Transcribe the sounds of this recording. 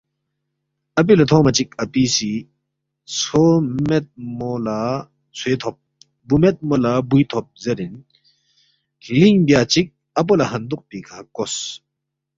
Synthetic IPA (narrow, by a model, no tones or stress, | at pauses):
ɐp̬ilat̪ʰɔmat͡ʃik̚ɐpisi | t͡sʰomɛt̪̚mola | t͡sʰweːt̪ʰɔp̚ | bumɛt̪̚molabujt̪ʰɔp̚zeɾin | kʰiliŋbjat͡ʃik̚ | ɐp̬olɐɦɐnd̪oʔ̚pikʰakɔs